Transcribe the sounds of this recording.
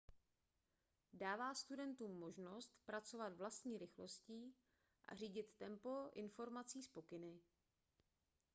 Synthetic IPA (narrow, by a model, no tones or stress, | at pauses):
daːvaːst̪udɛnt̪uːmːo̞ʒno̞st̪pɾat͡so̞vad̪vlast̪ɲiːɾɪxlo̞sciː | ʔa̰r̝iːɟɪt̪ːɛmpo̞ʔɪnfo̞ɾmat͡siːspo̞kɪnɪ